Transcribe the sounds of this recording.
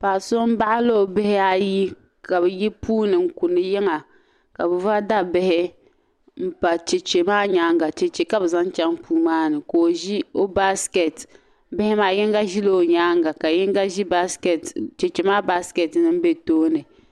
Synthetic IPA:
paː˨so˦m̩˦ba˦ʔa˦lo˦o˨bɪ˦hɪ˦a˦ji˦ | ka˨bɛ˨ji˦puː˦nɨ˨ŋ̩˨ku˨nɨ˨jɛ˦ŋa˨ | ka˨bɨ˨va˦da˦bɪ˦hɪ˦ | m̩˦˨pa˨t͡ʃe˨t͡ʃe˨maː˦ɲaː˦ŋɡa˨t͡ʃe˨t͡ʃe˨ka˦bɛ˨za˦n˦t͡ʃa˦ŋpuː˦maː˦nɨ˨ko˨ʒi˦o˦ba˦ske˨t | bɪ˦hɪ˦maː˦jɛ˦ŋ˦ɡa˦ʒi˦lo˦˨ɲaː˦ŋɡa˨ka˨jɛ˦ŋ˦ɡa˦ʒi˦ba˦sktt͡ʃe˨t͡ʃe˨maː˦ba˦ske˨tnɨ˦m˦be˦toː˦nɨ˨

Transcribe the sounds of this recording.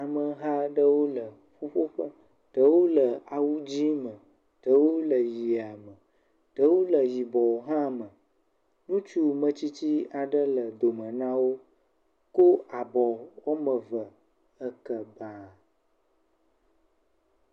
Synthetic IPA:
a˨mə˨ɦa˦ɖə˦wo˦lə˨ | ɸo˦ɸo˦ɸə˦ | ɖ̥ə˦wo˦lə˨a˨wu˦d͡ʑi˦mə̃˨ | ɖ̥ə˦wo˦lə˨ji˨a˨mə˨ | ɖ̥ə˦wo˦lə˨ji˨bɔ˨ɦã˦mə̃˨ | nũ˦t͡ʃu˦mə̃˦t͡ɕi˦t͡ɕi˦a˨ɖə˦lə˨d̪o˨mə̃˨nã˦wo˦ | ko˦a˨bɔ˨wo˦mə̃˨və˨ | ə˦kə˨ba˦

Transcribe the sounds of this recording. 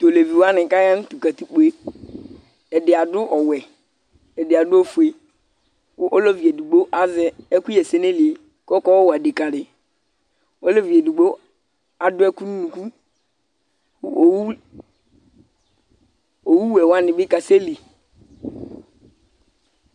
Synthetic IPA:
to˨le˨vi˨wa˦nɪ˨ka˦ja˦n˦tu˨ka˨ti˨k͡pe˦ | ɛ˨dɪ˨a˨dʊ˦ʔɔ˨wɛ˨ | ɛ˨dɪ˨a˨dʊ˦o˦fu˨e˨˦ | ʔɔ˦lɔ˦vi˨e˨du˨ɡ͡bo˦ʔa˦zɛ˦ɛ˦ku˦jɛ˨se˦ne˦lɪ˨e˨ | kɔ˦kɔ˦wa˨de˨ka˨dɪ˨ | ɔ˦lɔ˦vi˨ɛ˨du˨ɡ͡bo˦ | a˨dʊ˦ɛ˦ku˦nu˦nũ˨ku˦˨ | o˨wu˦ | o˨wu˦wɛ˨wa˦nɪ˨bɪ˦ka˨se˦li˨

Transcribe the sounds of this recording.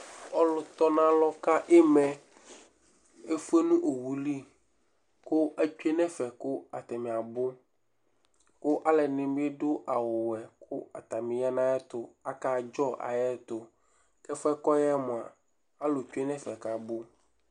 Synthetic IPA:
ɔ˦lʊ˨t̪ɔ˦nã˦lɔ˦ka˦ʔe˦mɛ̃˨ | e˦fu˦e˦nũ˦ʔo˨wu˨li˦ | kʊ˦ʔɛ˦t͡ʃu˦e˦nɛ̃˦fɛ˨kʊ˦a˨t̪ɛ˨mĩ˨a˨bʊ˦ | kʊ˦ʔa˦lɛ˨nɪ̃˨mĩ˦e˦ɖʊ˦ʔa˨wʊ˨wɛ˨kʰʊ˦a˨t̪a˨mĩ˨ja˦nã˦jɛ˦t̪ʊ˦a˦ka˦d͡ʒɔ˦ʔa̰˨jɛ˦t̪ʊ˨ | kɛ˦fɛ˦kɔ˦jɛ˦mʊ̃˨a˨ | a˦lo˨t͡ʃu˦e˦nɛ̃˦fɛ˨ka˨bo˦

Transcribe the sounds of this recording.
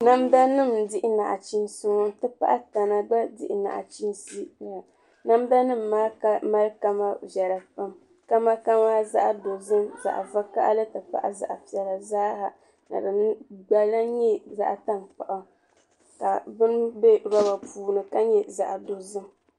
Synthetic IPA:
na˦mda˦nɨ˦˨mdɪ˦ʔɪ˦na˨ʔa˨t͡ʃi˦n˦si˦mɔ˦tɨ˦pa̰˦ʔa˦ta˨na˨ba˦dɪ̰˦ʔɪ˨na̰˨ʔa̰˨t͡ʃi˦nsi˦˨a˨ | na˦mda˦nɨ˦mːa˦ma˦lka˦ma˦vɛ˨ɾa˨pa˦m | ka˦ma˦ka˦maː˦za˦ʔa˨do˨zɨ˦mza̰˨ʔa̰˨va˦ka̰˦ʔlɨ˦tɨ˨pa̰˦ʔa̰˨za̰˨ʔa˨pi˨ɛ˨la˨zaː˦ha˨ | na̰˨bɨ˨nɨ˦ɡ͡ba˦la˦ɲɛ˦za̰˨ʔta˦nk͡pa˨ʔa˨ | ka˨bɨ˦n˦bɛ˦ɾɔ˦ba˨puː˨nɨ˨ka˦ɲɛ˦za̰˨ʔa˨do˨zɨ˦m

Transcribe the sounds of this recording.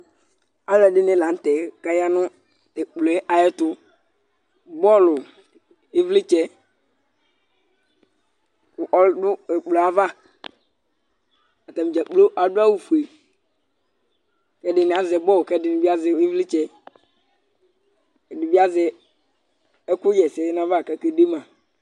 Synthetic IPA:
a˨˦lɛ˨dɪ˦nɛ˦˨la˨n̩˦tɛ˨ka˦ja˦nʊ˦˨ | tɛ˨k͡plo˨ɛ˦ʔa˨jɛ˦tʊ˦ | bɔ˦˨lʊ˨ | e˦vlɪ˦t͡ʃɛ˦ | kʊ˨ʔɔ˦dʊ˦ɛ˨k͡plo˨a˦va˦ | a˨ta˨mi˨d͡ʒɛ˨k͡plo˦ʔa˨˦dʊ˦a˦wu˨fu˨e˨ | kɛ˦dɪ˨n˨a˨zɛ˨˦bɔ˦˨kɛ˦dɪ˨nɪ˨bi˦a˦zɛ˨i˦vlɪ˦t͡ʃɛ˦˨ | di˨bi˦a˦zɛ˨ | ɛ˦kʊ˦d͡ʒɛ˨sɛ˨˦n˦a˦va˦˨kɛ˦ke˦de˦mã˨

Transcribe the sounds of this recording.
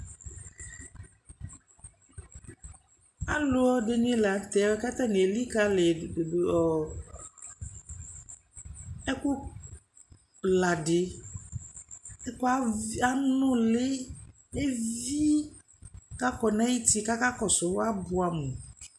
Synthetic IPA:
a˦lo˦ɔ˦ɖe˨ɲẽ˦la˨t̪ɛ˨˦kɛ˦t̪ɛ˦ne˨li˦ka˦le˨o˨o˨ | e˦ku˦ | la˨ɖe˨ | e˦ko˦a˦a˦nɔ̃˦le˦ | e˦vi˦ | ka˦kɔ˨nã˦i˦t̪i˦ka˦ka˦kɔ˨so˨wa˦bu˨a˨mũ˨

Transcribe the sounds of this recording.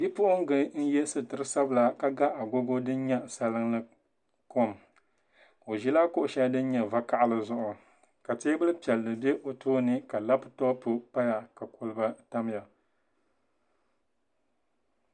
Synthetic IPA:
bi˦pʊ˦ʔʊ˦ŋ˦ɡɨ˦n̩˦jɛ˦sɨ˨tɨ˨ɾɨ˦sa˦bɨ˦la˦ka˦ɡa˦ʔa˨ɡo˦ɡo˦dɨ˦n˦ɲɛ˦˨sa˦lɨ˦ŋlɨ˦ | ko˦m | o˨ʒi˦laː˦kʊ˦ʔʊ˨ʃa˦dɨ˦n˦ɲɛ˨va˦ka˦ʔa˦lɨ˨zʊ˦ʔʊ˨ | ka˨teː˦bɨ˦lɨ˦pi˨ɛ˨lnɨ˨bɛ˦ʔo˨tʰoː˦nɨ˦ka˨la˦pɨ˨tɔ˦pʊ˦pa˦ja˨ka˨ko˦lɨ˦ba˦ta˦m˦ja˨

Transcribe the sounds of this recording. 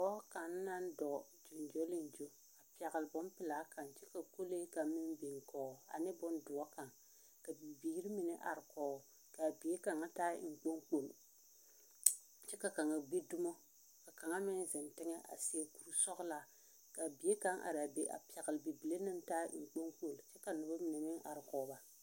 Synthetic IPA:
ɔ˦ka˨nː˦a˦ndɔ˨ | d͡ʒo˨nd͡ʒo˦lɪ˦n˨d͡ʒo˦ | a˨pɛ˨ɣɪ˨lɪ˨bɔ˦mpɪ˨laː˦ka˨nt͡ʃɛ˦ka˨ko˦le˦ka˨mɪ˦nbi˨ŋ˨kɔː˨a̰˨nɪ˦bɔ˨˦ndʊ˨ɔ˦ka˨ŋ | ka˨bi˨biː˨˦ɾi˦mɪ˨nɛ˦ʔa̰˨ɾɪ˨kɔː˨ | ka˨bi˨˦e˦ka˨ŋa˦ta̰ː˦ŋ͡m̩˨k͡po˦ŋk͡po˨l | t͡ʃɛ˦ka˨ka˨ŋa˨ɡ͡be˦du˦mo˦ | ka˨ka˨ŋa˦mɪ˦n˦zɪ˨ntɪ˦ŋɛ˦ʔa̰˨sɪ˨ɛ˦ku˨ɾu˦sɔ˦ɣla˨ | ka˨bi˨e˦ka˦ŋʔa̰˨ɾa˨be˨ʔa̰˨pi˨ɛ˨ɣɪ˨lbi˨bi˨le˦nɨ˦mta̰ː˦ŋ͡m̩˨k͡po˦ŋk͡po˨lt͡ʃɛ˦ka˨nʊ˨ba˦mɪ˨nɛ˨mɪ˦ŋʔa̰˨ɾɪ˨kɔː˨˦ba˦

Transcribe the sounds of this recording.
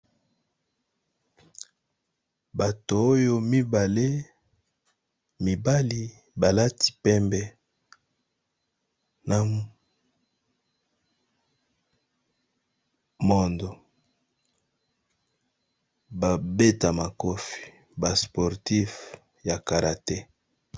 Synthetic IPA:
ba˨toː˨˦jo˦mi˦ba˨le˦ | mi˨ba˦li˦ | ba˨la˦tʰi̥˨pɛ˦mbɛ˨ | na˨ | mo˦ndo˨ | ba˨be˦ta˨ma˨ko˦fi̥˨ | ba˨spɔ˨ʁti˦f | ja˨ka˨ɾa˨tɛ˦

